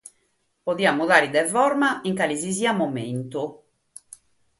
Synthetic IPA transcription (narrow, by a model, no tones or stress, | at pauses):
poðiːamuðaːɾiðɛvɔɾmaiŋkaliziziːamomḛnt̪u